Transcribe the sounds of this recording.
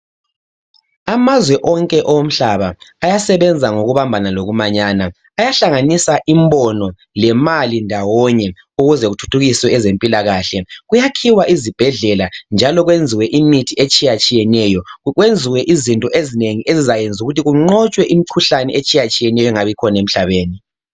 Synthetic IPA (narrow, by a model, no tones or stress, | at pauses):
amazwɛʔɔŋkʼɛʔɔwom̩ɬaβaːjasɛβɛnd͡zʱaŋoɣuβambʱanaloɣumaɲaːnaː | jaɬaŋanisaʔimbɔnɔ | lɛmalindʱawɔɲɛ | uɣuzɛɣutʰu̥tʰuɣiswɛɛzempʼilaɣaɬɛɣujakʰiwaʔizib̥ʱɛɮɛland͡ʒʱalɔɣwend͡zʱiwɛʔimitʰiet͡ʃʼijat͡ʃʼijɛnɛjɔɣwend͡zʱiwɛʔizintʼɔʔezineŋiʔezizajend͡zʱuɣutiɣuŋ͡ǀɔt͡ʃʼwɛʔimikʰuɬanɛʔet͡ʃʼijat͡ʃʼijɛnɛjɔŋaβikʰɔnem̩ɬaβeːni